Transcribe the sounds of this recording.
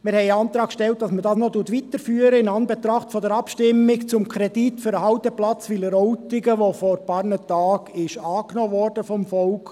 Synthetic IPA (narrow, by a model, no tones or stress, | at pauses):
mɪɾhɛɪɑːnt̪ɾɑːkʃtɛlt̚d̥ɑsmədɑːsnɔtutʋit̪əɾfyːəɾəɪnɑːnbɛt̪ɾɑχtfɔdɛɾɑpʃtɪmːɪkt͡sʊmkʰɾɛd̥itfʏɾəhɑʊt̪ɛplɑt͡sʋiləɾɔʊtɪɡəʋofɔɾpɑrnətɑːɡɪʃɑːknɔːʋɔrd̥əfɔmfɔlk